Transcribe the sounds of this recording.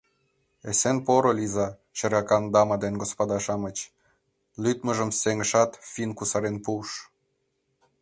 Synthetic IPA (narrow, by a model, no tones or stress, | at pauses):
esenpoɾolizɑ | t͡ɕə̆ɾɑkɑnd̪ɑmɑd̪enɡospod̪ɑʃɑmət͡ɕ | lyt̪mə̆ʒə̆mseŋəʃɑt̪finkusɑɾenpuʃ